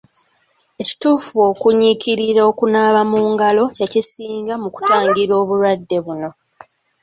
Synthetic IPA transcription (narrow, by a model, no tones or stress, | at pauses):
e̞ci̥tuːfuo̞kuɲiciɾiɾao̞kunaːβamuːŋɡalo̞cecisiːŋɡamuku̥taːŋɡiɾo̞ːβuɾwadːe̞βuno̞